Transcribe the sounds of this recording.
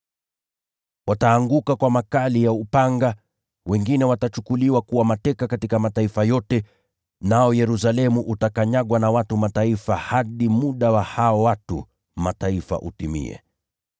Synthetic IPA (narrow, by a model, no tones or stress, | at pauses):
wataːŋɡukakwamakalijaupaŋɡa | wɛŋɡinɛwatat͡ʃukuliwakuwamatɛkakatikamataifajɔtɛ | naɔjɛɾusalɛmuʔutakaɲaɠwanawatumataifahaɗimuɗawahaɔwatṵ | mataifa̰ʔṵtimḭɛ̰